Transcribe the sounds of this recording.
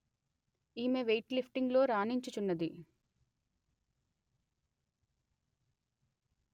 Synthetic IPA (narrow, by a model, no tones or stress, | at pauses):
iːmeʋejʈlipʰʈiŋɡlo̞ːɾaːniɲt͡ʃut͡ʃunːɐd̪i